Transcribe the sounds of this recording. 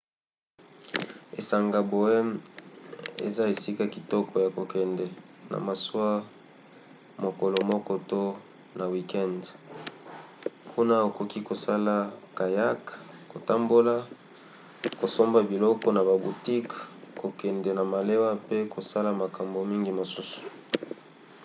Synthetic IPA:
e˨sa˨ŋɡa˨bo˨ɛ˦m | ḛ˨za˦e˨si˦ka˦ki˨tɔ˦kʰɔ˨ja˨ko˨kɛ˨ndɛ˨ | na̰˨ma˨swa˦ | mo˨ko˨lo˨mɔ˦kɔ˦to˦ | na˨wi˨kɛ˦nd | kʰu˦na˦o˨ko˨ki˦ko˨sa˦la˦ka˨ja˦kko˨ta˦mbo˦la˦ | ko˨so˦mba˨bi˨lɔ˦kɔ˦na˨ba˨bu˨ti˦kko˨kɛ˨ndɛ˨na˨ma˨le˦wa˦pe˦ko˨sa˦la˨ma˨ka˨mbo˨mi˦ŋɡi˦mo˨su˦su̥˨

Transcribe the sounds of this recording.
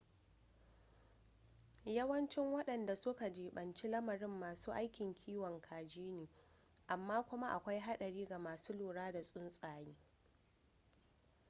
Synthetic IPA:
jɐ˦wɐ˦nt͡ʃɪ˦ŋwɐ˦ɗɐ˨nda˨sʊ˦ka˨d͡ʒeː˨ɓɐ˨nt͡ʃi˦lɐ˦mɐ˨ɾɪ˦mːaː˨suː˦ʔa˦jkʲɪ˨ŋkʲʰiː˦wɔ˨ŋkʰaː˨d͡ʒiː˦neː˨ | ʔa˨mːaː˦kʷʊ˦ma˦ʔa˨kʷa˦jɦa˦ɗɐ˨ɽiː˦ɡa˨maː˨suː˦loː˨ɽaː˦da˨sʼʊ˦nsʼaː˨jiː˦

